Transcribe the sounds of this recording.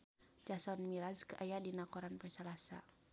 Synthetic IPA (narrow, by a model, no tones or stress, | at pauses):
d͡ʒasɔnmiɾaskʔajadinakɔɾanpɛsalasa